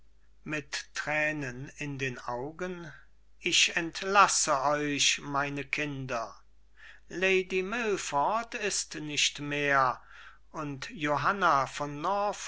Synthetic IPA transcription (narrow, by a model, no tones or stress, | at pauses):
mɪtːʁ̥ɛːnənɪndeːnaʊɡən | ɪçɛntlasəɔʏʃmaɪnəkʰɪndɐ | leɪdimɪlfɔtɪstnɪʃtmeːɐ | ʔʊntjoɦanafɔnːɔɐf